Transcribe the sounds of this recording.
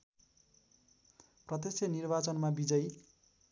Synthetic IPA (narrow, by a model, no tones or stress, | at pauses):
prʌt̪esjʌnirbat͡sʌnmabid͡zʌj